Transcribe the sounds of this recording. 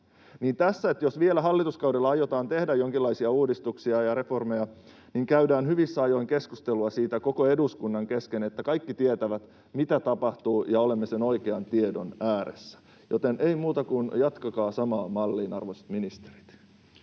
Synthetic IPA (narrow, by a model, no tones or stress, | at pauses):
niːnt̪æsːæet̪jo̞sʋielæɦɑlːit̪uskɑwdelːɑɑjo̞t̪ɑːnt̪e̞hdæjjoŋkilːɑisiɑuːdist̪uksiɑjɑɾe̞fo̞rmejɑ | niːŋkæydæːnhyʋisːɑjo̞iŋke̞skust̪eluɑsiːt̪æko̞ko̞e̞duskunːɑŋke̞ske̞net̪ːækɑjkːit̪iet̪æʋæt̪ | mit̪æt̪ɑpɑht̪uːjɑo̞lemːese̞no̞ikeɑnt̪iedo̞næːɾḛsːæ̥ | jot̪e̞nʔeimuːt̪ɑkunjɑt̪kɑkɑːsɑmɑːmɑlːiːnɑ̰rʋose̥t̪minist̪eɾi̥t̪